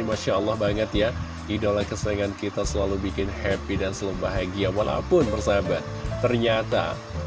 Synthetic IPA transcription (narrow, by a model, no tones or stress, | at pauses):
imaʃaəlːɑhbaŋət̪ja | didolahkəsəaŋankit̪asəlalubikɪnhɛpidansələmbaɦaɡiawalʔa̰pʊnbərsabat̪̚t̪ːərɲat̪a̰